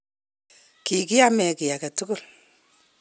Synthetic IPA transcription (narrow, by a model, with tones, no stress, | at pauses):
ki˨kɪ˦ja˦mɛ˨kɪ˨ja˨ka˨tʊ˦kʊ˦l